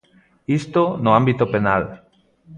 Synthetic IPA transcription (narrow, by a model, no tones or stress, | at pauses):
ist̪onoambit̪openal